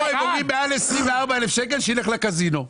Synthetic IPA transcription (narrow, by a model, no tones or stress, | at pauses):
imoɡibealefsʁiɱveaʁbaelefʃekelʃeileχlakazino